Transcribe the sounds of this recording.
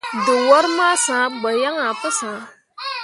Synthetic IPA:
dʊ˨wɔ˦ɾma˦sãː˨˦ɡ͡bə˨ja˦ŋa˨pə˦sãː˨˦

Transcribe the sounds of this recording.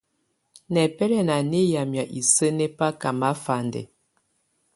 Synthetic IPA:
nɛ˨pɛ˦lɛ˨na˨ne˦ja˨mja˨ʔi˨sə˦nɛ˦pa˦ka˨ma˦fa˨ndɛ̰˨

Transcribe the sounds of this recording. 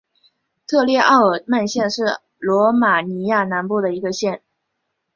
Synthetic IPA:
t̪ʰɤ˥˧ljɛ˥˧ʔɑ˥˩ʊə˨˩ma˥˧nɕjɛ˥˧nʂɻ̩˥˩ | lwɔ˧˥ma˨˩ni˧˥ja˥˩na˧˥npu˥˩d̪ə˩i˧˥ɡə˧ɕjɛ˥˩n

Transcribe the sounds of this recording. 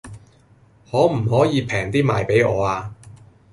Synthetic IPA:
hɔː˨˥m̩˨˩hɔː˨˥jiː˨˧pʰɛː˨˩ŋt̪iː˥maː˨jpe˨˥jɔː˨˧aː˧

